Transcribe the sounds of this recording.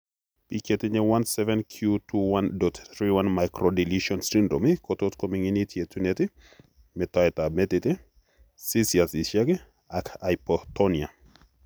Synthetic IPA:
piketɪɲɛwansɛvɛnkʰjutuwandɔtθɾiwanmajkɾɔdiliʃɔnsɾindomikɔtotkomiŋinitʰjetunetɪ | mɛtɔɛtamɛtɪtɪ | sisiasiʃɛkɛ | akʰajpɔtɔnia

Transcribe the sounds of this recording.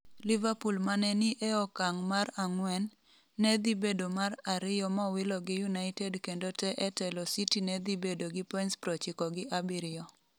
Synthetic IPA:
livapulmanɛnɪʔɛɔkaŋmaraŋwɛnː | ɛd̪ibedomaɾaɾɪjɔmawɪlɔɡɪjunaɪtedkendotɛʔɛtɛlɔsitinɛd̪ibedoɡɪpɔinspɾɔt͡ʃɪkɔɡɪʔabiɾɪɔ

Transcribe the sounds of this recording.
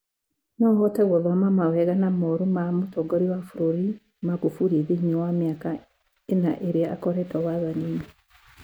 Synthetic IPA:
nɔhɔtɛɣwɔβamamawɛɣanamɔɾumamotɔɡɔɾiwafuɾoɾi | maɣufuɾiðiɲɛwameaka | enaʔeɾeaa̰kɔɾɛtɔwaðaniːni

